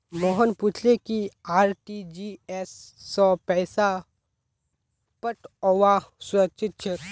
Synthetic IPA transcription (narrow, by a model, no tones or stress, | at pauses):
moɦənpʊt͡ʃʰlekiaːɾʈid͡ʒiesːɔ̃pɛːsa | pəʈɔʋasʊɾəkt͡ʃʰɪt̪̚t͡ʃʰe